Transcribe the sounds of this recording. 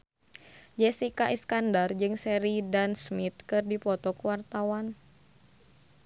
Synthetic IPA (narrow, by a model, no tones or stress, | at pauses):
d͡ʒɛsikaʔɛskandard͡ʒɨŋsɛɾidansmit̪̚kɨrdipɔt̪ɔkuwart̪awan